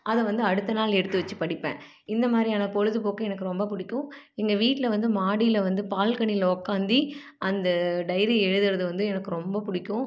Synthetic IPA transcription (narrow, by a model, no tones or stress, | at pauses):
ɐðɛʋɐnd̪ɯɐɽɯt̪ːɐnaːlɛɽɯt̪ːɯʋɐt͡ʃːɯpɐɽɪpːḛ̃ː | ɪnd̪ɐmaːd̪ɾiaːnɐpɔɻɯðɯpoːkɯɛnɐkːɯɾɔmbɐpʊɽɪkːʊ̃ | ɛŋɡɐʋiːʈːɪlɐʋɐnd̪ɯmaːɽijɪlɐʋɐnd̪ɯpaːlkɐɳɪlɔkːaːnd̪i | ʔɐnd̪ɐɖɐɪɾiɛɻɯðɯɾɐðɯʋɐnd̪ɯɛnɐkːɯɾɔmbɐpʊɽɪkːʊ̃